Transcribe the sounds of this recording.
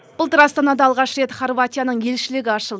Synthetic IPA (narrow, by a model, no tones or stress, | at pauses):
b̥ʊlˠt̪əɾɑst̪ɑnɑd̪ɑɑlˠʁɑʃɾe̞t̪χorvat̪ʲijanəɴje̞lʃɪlɪɡʲɪɑʃəlˠd̪ə